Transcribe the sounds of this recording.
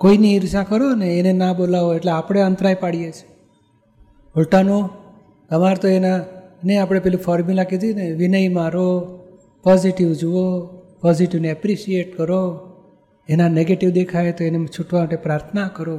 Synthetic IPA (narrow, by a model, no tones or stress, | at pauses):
koiniiɾsakəɾoneːnenabolaʋoeʈleapɽ̃eənt̪ɾajpaɽijet͡ʃʰe̥ | ɦulʈano | k̪əmaɾt̪oenaneapɽ̃epeɦlifʰɔɾmulakid̪ineʋinəjmãɾo | pɔziʈiʋd͡ʒuʋopɔziʈiʋneɛpɾiʃieʈkəɾo | enaneɡeʈiʋd̪ekʰaet̪oenet͡ʃʰuʈʋamaʈepɾaɾt̪ʰənakəɾo